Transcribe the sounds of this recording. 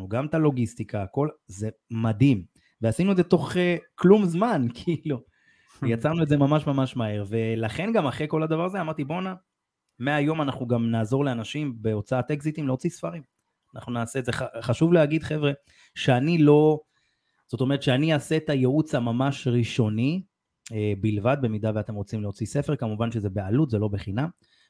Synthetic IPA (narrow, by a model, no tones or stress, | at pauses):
uɡamt̪alo̞ɡist̪ikʰaːko̞lze̞mad̪im | veasinud̪zet̪o̞χeklumzmankiːlu | jat͡saʁnue̞tzemamaʃmamaʃmahe̞ʁve̞laχe̞nɡamaχʁeko̞lad̪avaʁazeamaʁt̪ibo̞na | meajo̞manaχnuɡamnaːzo̞ʁleanaʃimbe̞o̞t͡saat̪ekzit̪imleo̞t͡sisfaʁim | ana̰χnunaːseːtzeχaχaʃuvleaɡid̪χe̞vʁe̞ | ʃeanilo̞ | z̥o̞t̪o̞me̞ʁetʃeaniaset̪ajeut͡samamaʃʁiʃo̞ni | ebilvad̪̚be̞mid̪aveat̪e̞mʁo̞t͡simleot͡sise̞fe̞ʁkamuvanʃezebealut̪ze̞lo̞beχinam